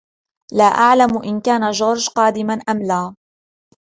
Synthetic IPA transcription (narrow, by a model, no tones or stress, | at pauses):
laːʔaʕlamʔɪnkaːnad͡ʒoːɾˤd͡ʒqɑːd̪ɪmanʔamlaː